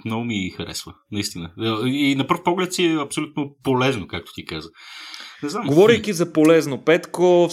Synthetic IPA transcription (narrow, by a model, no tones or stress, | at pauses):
mnɔɡomixɐɾɛ̰svənɐist̪inəəinɐpəɾfpɔɡlɛt̪siɛɐpsolʲut̪nopolɛznokak̚t̪o̥t̪ikazənɛzamɡovɔɾikizɐpolɛznopɛt̪kof